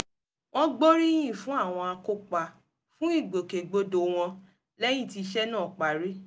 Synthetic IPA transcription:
w̃ɔ̃˦ɡ͡bo˦ɾi˦j̃ĩ˦˨fũ˦a˦˨w̃ɔ̃˧a˧ko˦k͡pa˨ | fũ˦i˦˨ɡ͡bo˨ke˨ɡ͡bo˦do˨w̃ɔ̃˧ | lɛ˦j̃ĩ˦˨ti˧ʃɛ˦nãː˦˨k͡pa˨ɾi˦

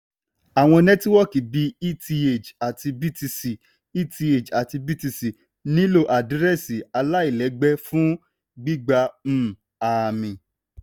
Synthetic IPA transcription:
a˨w̃ɔ̃˧nɛ̃˦ti˦wɔ˦ki˨bi˧i˦ti˧e˨d͡ʒa˨ti˧bi˦ti˧si˨ | i˦ti˧e˨d͡ʒa˨ti˧bi˦ti˧si˨ | nĩ˦lo˦˧˨ʔa˨di˨˦ɾɛ˦˨si˨a˧la˦i˦˨lɛ˨˦ɡ͡bɛ˦fũ˦ | ɡ͡bi˦ɡ͡ba˧m̩˦˨ | a˨mĩ˨

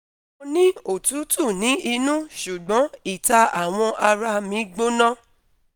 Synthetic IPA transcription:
nĩ˦o˦˨tu˨˦tu˦˨nĩ˨˦i˧nũ˦ʃu˨ɡ͡bɔ̃˨˦i˦˨ta˧a˨w̃ɔ̃˧ʔa˧ɾa˧mĩ˨˦ɡ͡bo˦nã˦

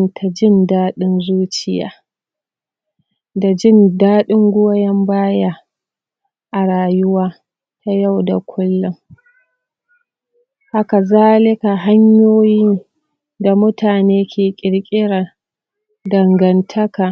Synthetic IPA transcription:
ntʰa˨d͡ʒɪ˦ndaː˦ɗɪ˦nzuː˦t͡ʃɪ˨ja̰ː˨ | da˨d͡ʒɪ˦ndaː˦ɗɪ˦ŋɡʷʊ˦wa˦jɐ˦mbaː˦ja˦ | ʔa˨ɾaː˨jʊ˦waː˦ | ta˨ja˦˨wda̰˨kʷʰʊ˦lːʊ˦ŋ | ha˦ka˨zaː˦lɪ˦ka˨ɦa˦ɲjoː˦jɪ˦n | da˨mʊ˦taː˨neː˦kʲeː˨kʲʼɪ˨ɽkʲʼɪ˦ɽa˨ | dɐ˨ŋɡɐ˨ntʰɐ˦ka˨

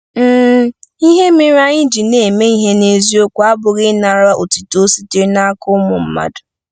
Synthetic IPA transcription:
m̩˦˨˦i˦ɦe˦mɪ˦ɾa˦ɲɪ˦d͡ʒi˨ne˨me˦i˦ɦe˦ne˦zi˦o˦kʷu˦a˦bʊ˨ɣɪ˦na˨ɾa˦ʔo˨ti˨to˦si˦te˦na˦kʊ˦mʊ˨m̩˦ma̰˨dʊ˨

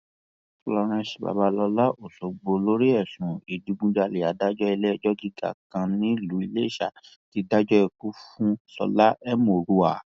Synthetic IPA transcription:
lɔ˧ɾ̃ɛ̃˧˦ʃi̥˨ba̰˨ba˧˦lɔ˧la˦ʔo˨so˨ɡ͡bo˧lo˦ɾi˦ɛ˦˨sũ˨i˨du˨˧˦ɡ͡bũ˧d͡ʒa˧le˨a˨˦da˦d͡ʒɔ˦ɛ˧lɛ˦˧˨d͡ʒɔ˦ɡi˦ɡa̰˦˨kã˧nĩ˨˦˨lu˨˦i˧le˦˨ʃa˨ | ti˨˧da˦d͡ʒɔ˦ɛ˧ku˦fũ˦sɔ̰˧la˦ʔɛ˦mo˨ɾu˧˦a˨

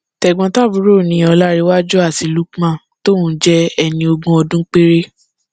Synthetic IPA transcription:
tɛ˨ɡ͡bɔ̃˧ta˦˨bũ˨˦ɾo˦˨nĩ˧˦ɔ˧la˦ɾe˧wa˦d͡ʒu˦a˦˨ti˨˧lu˨˦kmã˦˨ | to˦˨ũ˨˦d͡ʒɛ˦ɛ˧nĩ˧o˧ɡũ˧ɔ˧dũ˦k͡pe˦ɾe˦

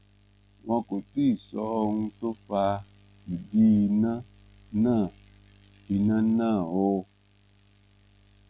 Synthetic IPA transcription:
w̃ɔ̃˧ko˨ti˦i˦˨sɔ˦o˧ŋũ˧to˦fa˧ | i˨di˦i˧nã˦ | nãː˦˨ | i˧nã˦nãː˦˨o˧˦

